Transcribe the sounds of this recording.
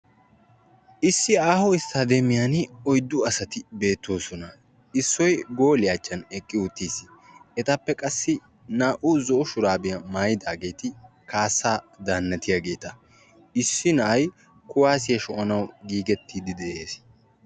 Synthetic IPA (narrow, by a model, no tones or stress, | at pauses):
ʔɪsːɪaːhɔɪst̪ad̪ɛmɪjanɔjd̪ːʊɐsɐt̪ɪbe̞ːt̪ːo̞ːsɔnɐ | ɪsːɔjɡo̞ːlɪjat͡ʃʼːɐnɛkʼːɪʊt̪ːiːs | ɛt̪ɐpːɛkʼɐsːɪ | naːʔʊzɔʔɔʃʊɾaːbɪjɐmaːjɪd̪aːɡe̞ːt̪ɪ | kaːsːaːd̪aːnːɐt̪ɪjaɡe̞ːt̪ɐ | ɪsːɪnɐʔɐj | kʊwaːs̬ɪjɐʃɔʔɐnɐwɡiːɡɛt̪ːiːd̪ɪd̪ɛʔe̞ːs